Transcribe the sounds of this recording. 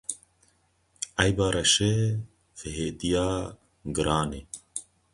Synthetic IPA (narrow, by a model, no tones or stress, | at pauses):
ajbaːɾʔɐʃe | feɦeːd̪ijaː | ɡɨɾʔaːne